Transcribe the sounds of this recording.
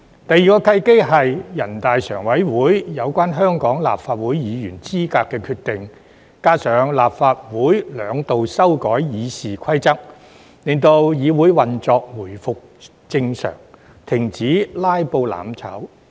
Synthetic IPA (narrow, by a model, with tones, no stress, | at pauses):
t̪ɐ˨jːiː˨kɔː˧kʰɐ˧˥jke˥ɦɐ˨jjɐ˨˩nt̪aː˨jsœ̰ː˨˩ŋwɐ˨˥jwuː˨˥jjɐ˨˧wkʷaː˥nɦœː˥ŋkɔː˨˥ŋla̰ː˨p̚faː˧t̚wuː˨˥jjiː˨˧jyː˨˩nt͡siː˥kaː˧kːɛː˧kʰyː˧t̚t̪ːɪ˨ŋ | kaː˥sœː˨˧ŋlaː˨p̚faː˧t̚wuː˨˥jlœː˨˧ŋt̪o˨wsɐ˥wkɔː˨˥jjiː˨˧siː˨kʰɐ˥jt͡sɐ˥k̚ | lɪ˨˩ŋt̪o˧wjiː˨˧wuː˨˥jwɐ˨nt͡sɔː˧k̚wuː˨˩jfʊ˨k̚ | t͡sɪ˧ŋsœ̰ː˨˩ŋ | t̪ʰɪ˨˩ŋt͡siː˨˥laː˥jpo˧wla̰ː˨˥mt͡sʰɐ̰˨˥w